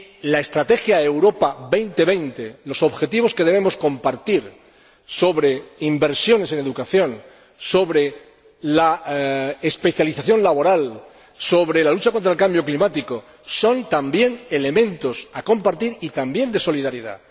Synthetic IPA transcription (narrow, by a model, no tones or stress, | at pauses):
lae̞st̪ɾat̪e̞xjaewɾo̞paβejnt̪e̞βe̞jnt̪elo̞so̞βxe̞t̪iβ̞o̞ske̞ð̞e̞βe̞mo̞sko̞mpaɾt̪iɾ | so̞βɾe̞imbe̞ɾsjo̞ne̞se̞ne̞ðukaθjo̞n | so̞βɾe̞ | la | espe̞θjaliθaθjo̞nlaβo̞ɾal | so̞βɾe̞lalut͡ʃako̞nt̪ɾaelkambjo̞klimat̪iko | so̞nt̪ambje̞ne̞le̞mẽ̞nt̪o̞sako̞mpaɾt̪iɾit̪ambje̞nd̪e̞so̞lið̞aɾiða̰